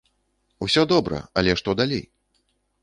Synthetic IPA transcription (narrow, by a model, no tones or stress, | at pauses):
usʲɔd̪ɔbɾɐ̰alʲɛʂt̪ɔd̪alʲej